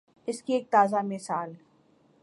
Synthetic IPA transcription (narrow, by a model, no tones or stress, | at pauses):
ɪskieːk̚t̪aːzamɪsaːl